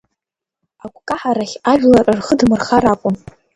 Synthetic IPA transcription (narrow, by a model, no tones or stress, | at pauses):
akʷʰkʼaħaɾaχʲaʒᶣlarɨrχədmɨrχaɾakʷʼʊm